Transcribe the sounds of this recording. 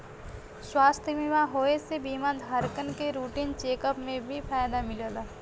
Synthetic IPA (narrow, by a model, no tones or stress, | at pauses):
swaːst̪ʰəbimãɦoːesebiːmad̪ʱɦaɾkənkeɾuːʈiːnt͡ʃeːkəpmẽbʱipʰaːjd̪amɪloːlaː